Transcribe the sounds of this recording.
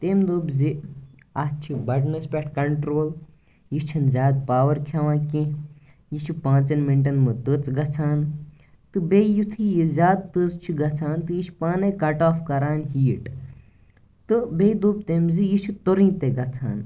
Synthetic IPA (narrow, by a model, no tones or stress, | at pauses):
t̪emd̪oːbzi | at͡ʃʰibɐɖnɐspʲeʈ̚kɐɳʈɾoːl | jit͡ʃʰɐnzʲjaːd̪̚paːʋɐɾkʰjaʋãːkẽ | jit͡ʃʰipãːt͡sɐnmiɳʈɐnmɨt̪ɨt͡sɡɐt͡sʰaːn | t̪ɨbejut̪ʰijizʲjaːd̪̚t̪ɨzt͡ʃʰiɡɐt͡sʰaːnt̪ɨjit͡ʃʰpaːnekɐʈaːfkɐɾaːnɦiːʈ | t̪ɨbejd̪oːb̚t̪eːmzijit͡ʃʰut̪oɾĩːt̪eɡɐt͡sʰa̰ːn